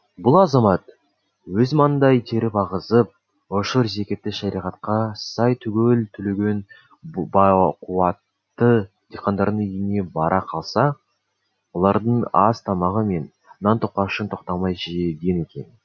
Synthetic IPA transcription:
bʊlˠɑzɑmɑt̪ | wɵzmɑnənd̪ɑjt̪ʰe̞ɾɪpɑʁəzəp̚ | oʃəɾze̞kʲe̞t̪ːɪʃɑɾiʁɑt̪̚qɑsɑjt̪ʰʏɡʲe̞lt̪ʰʏleɡʲe̞n | bqʰuɑt̪ːə | d̪̥eqʰɑnd̪ɑɾd̪əŋijɪne̞bɑɾʔɑqʰɑlˠsɑ | wo̞lˠɑɾd̪əɴɑst̪ʰɑmɑʁəme̞n | nɑnt̪ʰoq̚qːɑʃənt̪ʰo̞qt̪ɑmɑjʒeɡʲe̞ne̞kʲe̞̰n

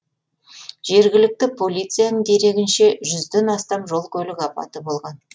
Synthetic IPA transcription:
ʒ̥e̞ɾɡʲɪlɪk̚t̪ɪpʰo̞lʲijt̪sɨijanəɴd̪e̞ɾe̞ɡʲɪnʃe̞ʒʏzd̪e̞nɑst̪ɑmʒo̞lˠkʲʰɵlɪkɑpɑ̰t̪əbo̞lˠʁɑn

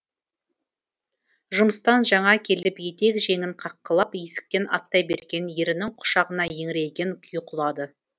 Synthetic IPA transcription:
ʒʊməst̪ɑnʒɑɴɑkʲʰe̞lɪpje̞t̪e̞kʒe̞ŋɪɴqʰɑqːəlˠɑpje̞sɪ̥k̚t̪e̞nɑ̰t̪ːɑjbe̞ɾɡʲe̞nje̞ɾɪnɪŋqʰʊ̥ʃɑʁənɑjeŋɪɾe̞jkʲeŋkʲʰʏjqʰʊlˠɑd̪ə

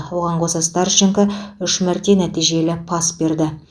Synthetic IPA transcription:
woʁɑɴqosəst̪ɑɾʃɪŋkəʏʃmɪɾt̪e̞næt̪ijʒe̞lɪpʰɑsbe̞ɾd̪ɪ

